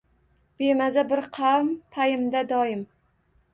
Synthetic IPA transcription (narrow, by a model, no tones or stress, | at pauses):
b̥emazabɪɾqʰampʰajɪmd̪ad̪ɒjɪm